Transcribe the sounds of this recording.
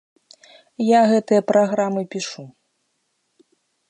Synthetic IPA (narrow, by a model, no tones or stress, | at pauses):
jaɣɛt̪ɨjɐpɾʔaɣɾamɨpʲiʂu